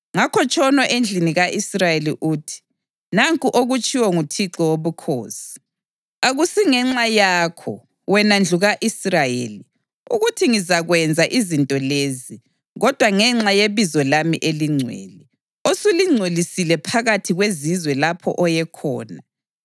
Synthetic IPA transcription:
ŋakʰɔt͡ʃʰʼɔnɔʔend͡ɮʱiniɣaʔisrajeliʔuːtʰi̥ | naŋkʼuʔoɣut͡ʃʼʰiwɔŋutʰiǁɔwoβukʰo̰ːsi̥ | aɣusiŋɛŋ͡ǁajaːkʰɔ̰ | wɛnand͡ɮʱuɣaʔisrajḛːli | uɣutʰiŋizaɣwɛnd͡zʱaʔizintʼɔleːzi | ɣɔd̥ʱwaŋɛŋ͡ǁajeβizɔlamḭʔeliŋ͡ǀʱwḛːli | osuliŋ͡ǀʱolisilɛpʰaɣatʰiɣwezizwɛlapʰɔ̰ʔɔjɛkʰɔ̰ːna

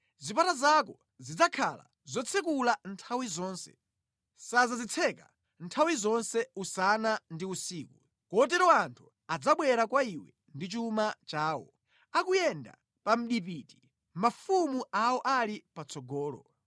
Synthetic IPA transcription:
zipatazakɔ | zid͡zakʰa̰la̰ | zɔt͡sʰɛkulantʰawizɔːnsɛ̰ | sazazit͡sʰɛka̰ | ntʰawizɔnsɛusanandiusiːku | kɔt̬ɛɾɔantʰu | ad͡zaɓwɛɾakwaiwɛ̰ | ndit͡ʃumat͡ʃaːwɔ̰ | akujɛnda̰ | pam̩ɗip̬iːti̥ | mafumuʔawɔʔalipat͡sʰɔɡɔːlɔ̰

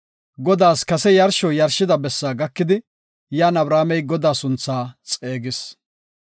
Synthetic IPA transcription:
ɡɔd̪aːskɐsɛjɐɾʃɔjɐɾʃɪd̪ɐbɛsːaːɡɐkːɪd̪ɪ | jaːnɐbɾaːmɛjɡɔd̪aːsʊnt͡sːaːt͡sʼe̞ːɡɪs

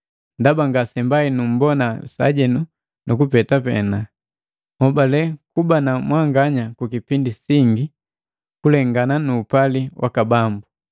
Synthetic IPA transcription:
ndabaŋɡasɛmbainum̩bɔnasa̰ɟɛnu | nʔukupɛtapɛ̰na | hɔbalɛkubanamwaŋɡaɲakukipindisiŋɡi | kulɛŋɡananuːpaliwʔa̰kabambu

